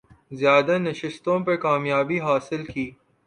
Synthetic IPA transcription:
zjaːd̪anɐʃɪst̪õpekaːmjaːbiɦaːsɪlkiː

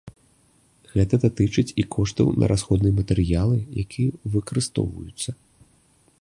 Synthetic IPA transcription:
ɣɛt̪ɐd̪at̪ɨt͡ʂɨt͡sʲikʰɔʂt̪ɐ̰wnʔɐ̰ɾʔasxɔd̪nɨjɐmɐt̪ɛɾɨjalˠɨjakʲijɐvɨkɐɾɨst̪ɔ̰wvɐ̰jut̪sːɐ

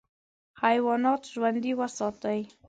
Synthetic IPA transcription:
hajwɑnɑt̪ʒwand̪iwəsɑt̪awj

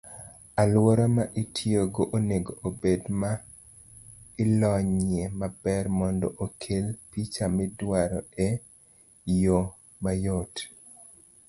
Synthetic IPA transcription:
alwoɾamaʔitʰjoɡoʔoneɡoʔobedma | ɪlɔɲemabɛrmɔndɔ̰ʔokʰelpit͡ʃamɛdwaɾɔe | jo | majot

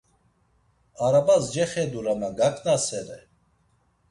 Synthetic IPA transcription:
aɾabasd͡ʒɛχɛd̪uɾamaɡakʼnasɛɾɛ

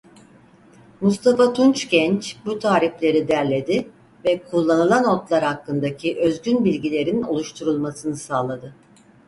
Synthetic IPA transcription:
must̪ʰafat̪ʰunt͡ʃɟɛnt͡ʃbut̪ʰaːɾiflʲe̞ɾid̪æɾlʲe̞d̪ɪ | vɛkʰulˠːanɯlˠanot̪lˠaɾhakːɯnd̪acʰiʔøzɟynbilʲɟilʲe̞ɾino̞̰lˠuʃt̪ʰuɾulˠmasɯnɯsaːlˠad̪ɯ

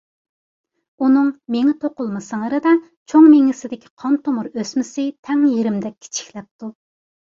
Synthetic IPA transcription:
unɨŋmeŋɪt̪ʰoqʊlˠmɨsəŋəɾɨd̪ɑ | t͡ʃʰoŋmeŋɪsɪd̪ɪkʲʰi̥qʰɑnt̪omuɾøsmɪsɪt̪ʰɛŋjiɾɪmd̪ɛkʲʰːɪ̥t͡ʃʰi̥kʲlɛp̚t̪u

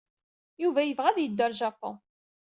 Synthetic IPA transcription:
juvæjəvʁæðjəd̪ːəɾʒɑpõ̰

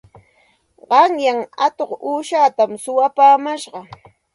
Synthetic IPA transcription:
ɢɑŋjaŋat̪oχuːʃaːt̪amsʊwapaːmaʃɢɑ

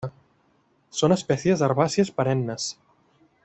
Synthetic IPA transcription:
sonespɛsjezðaɾβasjespaɾɛnːəs

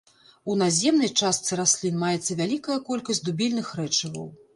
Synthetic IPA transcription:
unazʲɛmnɐjt͡ʂast̪sɨɾasʲlʲinmajɛt̪sːɐvʲalʲikɐjɐkɔlʲkɐsʲtʲd̪ubʲilʲnɨxɾɛt͡ʂɐvɐ̰w

